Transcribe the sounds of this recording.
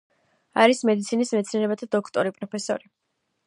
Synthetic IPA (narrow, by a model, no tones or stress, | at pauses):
aɾismɛd̪it̪sʰinismɛt̪sniɛɾɛbat̪ʰad̪ɔkʰt̪ʼɔɾipʼɾɔpʰɛsɔ̰ɾi